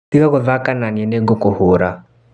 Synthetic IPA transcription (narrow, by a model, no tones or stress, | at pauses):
tikakɔðakananiɛnɛɡɔkɔhoɾa